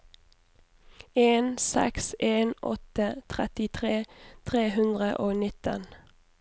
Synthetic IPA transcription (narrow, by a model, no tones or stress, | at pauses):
eːnsɛ̰kseːnɔ̰t̪ət̪ʰʁɛt̪ɪt̪ʰʁeːt̪ʰʁeːhʉnd̪ʁəʔoːnɪt̪ə̰n